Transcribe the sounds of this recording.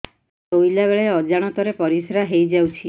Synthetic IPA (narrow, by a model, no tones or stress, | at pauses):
t̪ojlaβeɭeɔd͡ʒaɽ̃ɔt̪ɔɾepɔɾisɾaɦejd͡ʒawt͡ʃʰi